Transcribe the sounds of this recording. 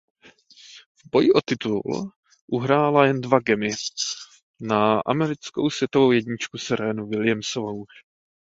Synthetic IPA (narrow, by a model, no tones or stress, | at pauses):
vbo̞jɪʔo̞t̪ɪt̪ul | ʔuɦɾaːlajɛndvaɡɛmɪ | naʔa̰mɛɾɪt͡sko̞̰wsvjɛt̪ovo̞wjɛdɲɪt͡ʃkusɛɾɛːnuvɪlɪjɛmsovowʃ